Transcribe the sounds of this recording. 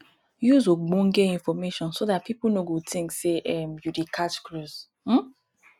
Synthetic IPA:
juzoɡ͡bũŋɡeĩnfɔmeʃɔ̃nsodat̚piplnoɡotʰĩŋkseʔɛmjudikʰat͡ʃkɹuz | m̩

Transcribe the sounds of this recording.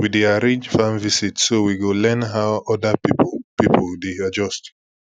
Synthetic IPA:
wideaɹẽd͡ʒfãnvisitsowiɡolɛ̃nɦawɔdəpipipʰoldead͡ʒɔst

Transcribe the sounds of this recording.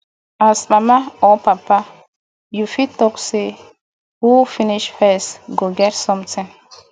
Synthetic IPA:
asɓamaɔpapːa | jufitːɔkse | hufiniʃfɛsɡoɡɛɾsɔmtɛ̃n

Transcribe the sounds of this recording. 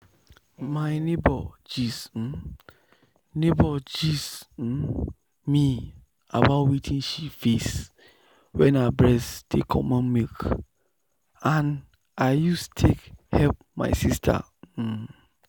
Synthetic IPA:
maɪnebɔd͡ʒis̩ | nebɔd͡ʒis̩ | mi | a̰batwitʰĩnʃifes | wɛ̃nabɹɛsd̥ekʰɔ̰̃mãnmek | ãn | aɪjustu̥tʰekhɛlp̚ | ma̰ɪsistʰa̰

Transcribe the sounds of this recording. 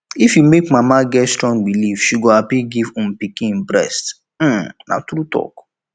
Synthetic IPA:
ifjumekmamaɡɛtstɹɔ̃ŋɡbilivʃuɡɔapiɡivũmpikĩnbɾɛ̰st̩ | na̰tɾutɔ̰k

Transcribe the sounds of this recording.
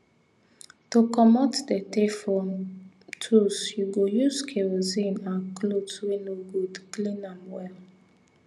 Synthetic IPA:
tokɔmɔtdɛtefɔn | tʰusjuɡojuzkʰeɹozĩnãnklotwinoɡudklĩnãmwɛl

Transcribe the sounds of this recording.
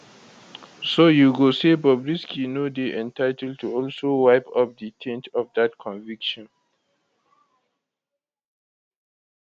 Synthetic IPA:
sojuɡosebɔbɹiskinodeʔɛ̃ntʰaɪtɛld̚tʰuɔlsowaɪpʰʌp̚d̪itʰɛ̃ntʰɔvd̪atkʰɔ̃nvikʃɔ̃n

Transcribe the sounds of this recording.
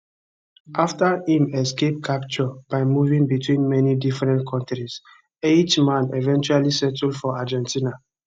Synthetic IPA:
ʔaftahĩmɛskep̚kʰapt͡ʃɔb̥aɪmuvĩŋbitwĩnmɛnidifɹɛ̃ntkʰɔ̃ntɹis | ed͡ʒmãnevɛ̃nt͡ʃualisɛtldfɔad͡ʒɛ̃ntʰina

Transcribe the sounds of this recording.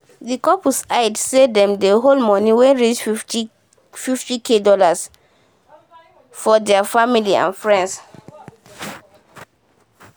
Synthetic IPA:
dikɔpusaɪdsedɛ̃mdeɦolmɔ̃niwɛ̃nɹid͡ʒ | fiftikʰedɔlas | fɔdɛafamiliã̰nfɹɛ̃nds

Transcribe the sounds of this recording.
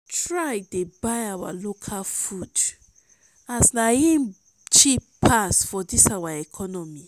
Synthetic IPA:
tɹajdebajawa̰lokʰalfud | asnajĩn | t͡ʃippʰasfɔdisawaɛkʰɔnɔmi

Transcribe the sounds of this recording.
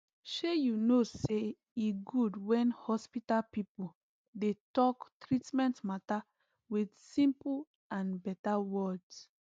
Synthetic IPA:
ʃejunose | iɡudwɛ̃nhɔspitalpipu | detɔktɹitmɛ̃ntmata | widsĩmpu | ãnbɛtawɔds

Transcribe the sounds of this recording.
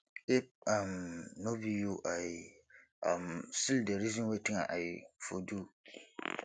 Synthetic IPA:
ɪp̚ãmnobijuʔajɪ | amsildeɾizɔ̃nwetʰĩŋaʔajɪfodu

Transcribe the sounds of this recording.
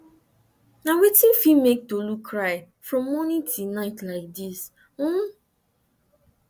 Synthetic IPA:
nawetĩnfimek̚tolukʰːɹaɪ | fɹɔ̃mːɔnĩtʰinaɪtlaɪk̚dis̩

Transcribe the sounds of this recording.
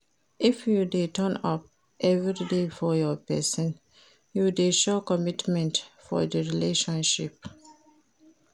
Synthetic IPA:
ʔifjudetə̃nɔp̚ | ʔɛvɹidefɔjɔpɛsɔ̃n | judeʃɔkɔmitmɛ̃ntfɔ̰dəɹileʃɔ̃nʃip

